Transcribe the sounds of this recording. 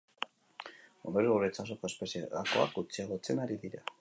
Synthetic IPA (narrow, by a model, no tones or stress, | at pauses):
ond̪oɾuɣuɾet͡sasoko̞e̞spe̞sieɣako̞a̰kɡut͡siaɣot͡se̞naɾiðiɾa